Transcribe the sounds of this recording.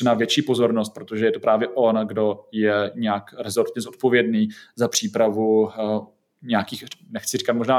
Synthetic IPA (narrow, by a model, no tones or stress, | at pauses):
ɛnavjɛt͡ʃiːpo̞zo̞ɾnost̪̚pɾot̪o̞ʒɛjɛt̪opɾʔaːvjɛʔo̞nɡdo̞jɛɲɛakɾɛzoɾt̪ɲɛzot̪̚po̞vjɛdniːzapr̥iːpɾavu | ɲɛakiːxnɛxt͡sɪri̥kat̪mo̞ʒnaː